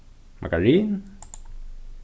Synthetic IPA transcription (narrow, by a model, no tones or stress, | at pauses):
mʔa̰kaɹin